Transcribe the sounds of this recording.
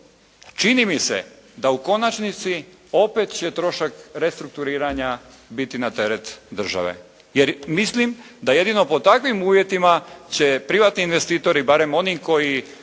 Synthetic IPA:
t͡ʃinimisḛd̪auko̞nat͡ʃnit̪si | o̞pet̪t͡ɕe̞t̪ɾo̞ʃakɾe̞st̪ɾuk̚t̪uɾiːɾaɲa | bit̪inat̪e̞ɾet̪d̪r̩ʒa̰ʋḛ | jeɾmislimd̪aje̞d̪ino̞po̞t̪akʋimuːʋje̞t̪imat͡ɕe̞pɾiʋaːt̪niːnʋe̞st̪iːt̪o̞ɾibaɾe̞mo̞nimko̞ji

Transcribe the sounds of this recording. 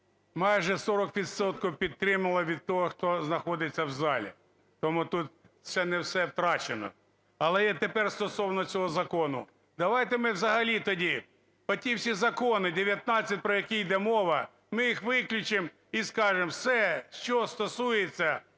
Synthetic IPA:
mɑjʒɛsɔɾɔkʋʲid̪sɔt̪̚kɔwpʲid̪̚t̪ːɾɪmɐlˠɐʋʲid̪̚t̪ɔɦɔxt̪ɔznɐxɔd̪ɪt͡sʲːɐwzɑlʲḭ | t̪ɔmut̪ut̪̚ | sɛnɛwsɛwt̪ɾɑt͡ʃenɔ̰ | ɐlˠɛjɛt̪epɛrst̪ɔsɔwnɔt͡sʲɔɦɔzɐkɔnʊ̰ | d̪ɐʋɑjt̪emɪwzɐɦɐlʲit̪ɔdʲi | pɔtʲiwsʲizɐkɔnɪd̪ɪʋʲjɐt̪̚nɑt͡sʲːɐt̚ʲpɾɔjɐkʲijd̪ɛmɔʋɐ | mɪjixʋɪklʲʊt͡ʃɪm | iskɑʒemsɛʃt͡ʃɔst̪ɔsujet͡sʲːɐ

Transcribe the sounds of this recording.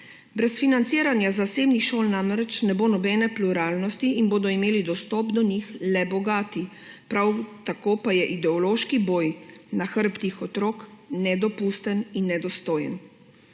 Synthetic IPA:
bɾɛsfinant̪siːɾanjazaseːbnixʃoːlnamɾɛt͡ʃnɛboːnɔbɛnɛpluɾaːlnɔst̪iinboːd̪ɔimeːlid̪ɔst̪ɔpd̪ɔnixlɛbɔɡaːt̪i | pɾawt̪akoːpajɛʔid̪ɛɔloːʃkiboːjnaxəɾpt̪ixɔt̪ɾoːknɛd̪ɔpuːst̪əninːɛd̪ɔst̪oːjə̰n

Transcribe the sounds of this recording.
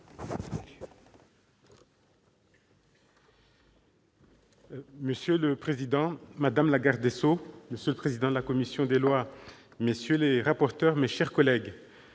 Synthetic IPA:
məsjøləpχezid̪ɑ̃mad̪amlaɡaʁd̪esoməsjøləpχezid̪ɑ̃d̪əlakɔmisjɔ̃d̪elwa | mesjøleʁapɔʁt̪œʁmeʃɛʁkɔlɛɡ

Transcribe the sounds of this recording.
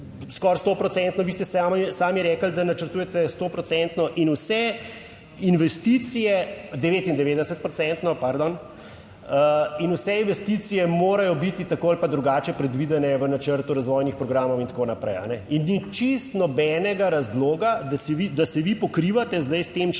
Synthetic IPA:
skɔɾst̪opɾɔt̪sɛnt̪nɔʋiːst̪ɛsamɛsaːmjɛɾɛːkəld̪anat͡ʃəɾt̪ujɛt̪ɛst̪opɾɔt̪sɛnt̪nɔʔinusɛ | inʋɛst̪it̪sijɛd̪ɛʋeːt̪ind̪ɛʋeːd̪ɛsət̪̚pɾɔt̪sɛnt̪nɔpaɾd̪ɔn | əinusɛinʋɛst̪it̪sijɛmoːɾajɔbit̪it̪akoalpad̪ɾuɡaːt͡ʃɛpɾɛd̪ʋid̪ɛnɛʋənat͡ʃəɾt̪uɾazʋɔːjnixpɾɔɡɾaːmɔwint̪konapɾɛ̰ja̰nɛinːit͡ʃist̪nɔbɛnɛɡaɾazloːɡad̪asiʋid̪asɛʋipɔkɾiʋat̪ɛzd̪ajst̪em

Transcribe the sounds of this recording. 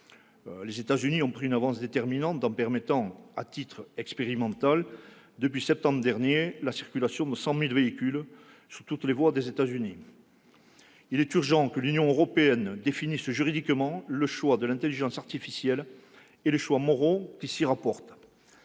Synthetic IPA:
lezet̪azyniɔ̃pχiynavɑ̃sd̪et̪ɛʁminɑ̃t̪ɑ̃pɛʁmet̪ɑ̃at̪it̪χɛkspeʁimɑ̃t̪al | d̪əpɥisɛp̚t̪ɑ̃mbʁəd̪ɛʁnjelasiʁkʲylasjɔ̃d̪əsɑ̃milveikʲyl | sut̪ut̪levwad̪ezet̪azyni | ilɛt̪yʁʒɑ̃kəlynjɔ̃øʁɔpeɛnd̪efinisʒyʁid̪ikmɑ̃ləʃwad̪əlɛ̃t̪eliʒɑ̃saʁt̪ifisjɛl | eləʃwamɔʁokʲisiʁapɔʁt̪

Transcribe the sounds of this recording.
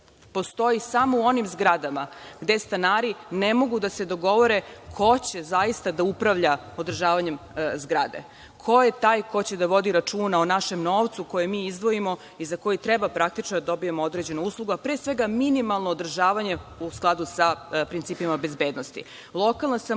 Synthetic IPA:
po̞st̪o̞isamouo̞nimzɡɾad̪amaɡd̪e̞st̪anaːɾinemo̞ɡud̪ase̞d̪o̞ɡo̞ʋo̞ɾe̞kʰo̞t͡ɕe̞zaist̪ad̪aupɾaʋʎa | o̞d̪r̩ʒaːʋaɲe̞mzɡɾa̰d̪ḛ | kʰo̞jet̪aːjkʰo̞t͡ɕe̞d̪aʋo̞d̪iɾat͡ʂuːnaonaʃe̞mno̞ːʋt̪suko̞jemiːizd̪ʋo̞imo̞ | izako̞jit̪ɾebapɾak̚t̪it͡ʃnod̪ad̪o̞bijemoo̞d̪ɾed͡ʑe̞nouːslˠuɡoapɾesʋe̞ɡaminimalˠnoːd̪ɾr̩ʒaːʋaɲe̞usklˠad̪usapɾint̪siːpimabe̞zbe̞ːd̪nost̪ḭ | lˠo̞kalˠnasam

